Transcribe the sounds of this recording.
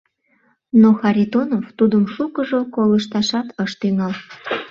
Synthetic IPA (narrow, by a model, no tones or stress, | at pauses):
noxɑɾʲit̪onoft̪ud̪əmʃukəʒokoləʃt̪ɑʃɑt̪əʃt̪yŋɑl